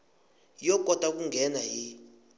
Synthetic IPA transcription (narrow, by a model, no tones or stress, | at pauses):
jɔkʼɔtʼak̬uŋɡʱɛnaji